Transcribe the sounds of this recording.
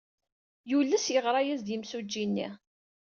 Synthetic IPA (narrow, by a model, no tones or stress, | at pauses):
julːəsjəʁɾˤɑjæzd̪imsud͡ʒːinːḭ